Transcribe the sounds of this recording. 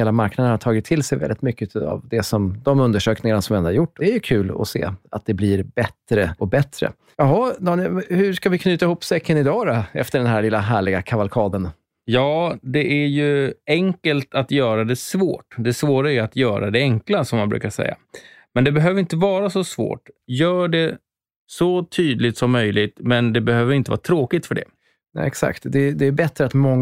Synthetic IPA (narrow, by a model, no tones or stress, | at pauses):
heːlamaɾknad̪ənhaʈ̪ʰɑːɡɪt̪ʰːɪlsɛjvɛ̰ɪt̪mʏkːəa̰vd̪ɛsɔmd̪ɔmɵnd̪əʂøːknɪŋanasɔmvɛnaɾjʊʈːɛæjɵkʰʉ̟ːlɔ̰sḛːa̰t̪̚d̪ɛblɪɾbɛt̪ɾəɔk̚bɛt̪ːɾə̰ | jɑɦɔd̪ɑːnhɵʂkavɪkʰnyːt̪aɪhuːpːsɛkːənɪd̪ɑːɾaɛ̰ft̪əɖɛnɦæɭɪlːaɦæːɭɪɡakʰavalkʰɑːd̪ən | jɑːd̪ɛʔæɾjɵɛŋkəlt̪at̪jœːɾad̪ɛsvo̰ːʈd̪ɛsvoːɾaæjɵat̪jœːɾa̰d̪ɛɛŋklasɔmːanbɾʉ̰ːkaʂɛ̰jːa̰mɛnd̪ɛbɛɦøːvəɾɪnt̪əvɑːɾasɔsvo̰ːʈjœːɖɛ | sɔt̪ʰyːd̪lɪt̪sɔmːœjlɪɡt̪mɛnd̪ɛbɛhøːvəɾɪnt̪əvɑ̰ɾt̪ʰɾoːkɪt̪fœɖɛ̰ | nɛ̰ɛksa̰kt̪d̪ɛd̪ɛːɾbɛt̪ɾəat̪mɔŋː